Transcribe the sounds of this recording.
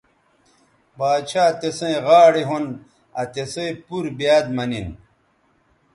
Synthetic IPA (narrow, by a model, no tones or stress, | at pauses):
baːt͡ɕʰaːt̪esẽẽʁaːɽeɦon | ɐt̪eseepuɾbjaːd̪mɐnin